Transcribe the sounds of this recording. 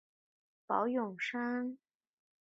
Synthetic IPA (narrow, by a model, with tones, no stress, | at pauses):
pɑ˧˥ʊjʊ˨˩ŋʂa˥ŋ